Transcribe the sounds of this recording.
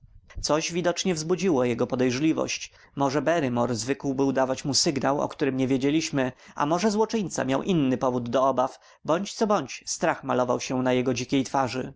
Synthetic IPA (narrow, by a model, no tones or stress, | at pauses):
t̪sɔʑvʲid̪ɔt͡ʂɲɛvzbud͡ʑiwɔjɛɡɔpɔd̪ɛjʐlʲivɔ̰ɕt͡ɕ | mɔʐɛbɛɾɘmɔɾzvɘkwbɘwd̪avat͡ɕmusɘɡnawɔ̰kt̪uɾɘmɲɛvʲjed͡ʑelʲiɕmɘʔa̰mɔʐɛzwɔt͡ʂɘɲt̪sa̰mjawʔinːɘpɔvud̪ːɔɔbaf | bɔɲt͡ɕt̪sɔbɔɲt͡ɕst̪ɾaxmalɔvawɕɛnajɛɡɔd͡ʑikʲejt̪faʐɘ